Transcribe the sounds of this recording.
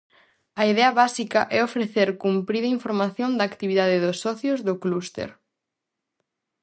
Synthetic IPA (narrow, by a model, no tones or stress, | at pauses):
ɐiðɛɐβasikɐʔɛofɾeθeɾkumpɾiðɐiɱfoɾmaθjõnd̪aːkt̪iβiðaðɪðʊsːɔθjozðʊklust̪ḛɾ